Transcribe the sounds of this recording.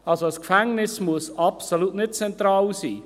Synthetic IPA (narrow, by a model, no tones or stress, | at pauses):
ɑlsoəskfɛŋnɪsmuəsɑpsolutnɪt̚t͡sɛnt̪raːwsḭː